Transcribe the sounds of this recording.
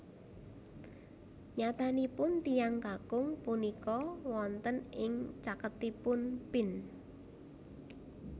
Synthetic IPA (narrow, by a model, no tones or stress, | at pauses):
ɲat̪anipʊnt̪ijaŋkakʊŋpunikɔwɔnt̪ənɪŋt͡ʃakət̪ipʊnpɪn